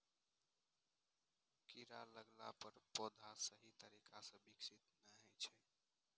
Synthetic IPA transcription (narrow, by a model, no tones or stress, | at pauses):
kiɾa̰ləɡla̰pəɾpod̪ʱasəɦit̪əɾikʰasə̃biksit̪nəɦɛt͡ʃʰɛ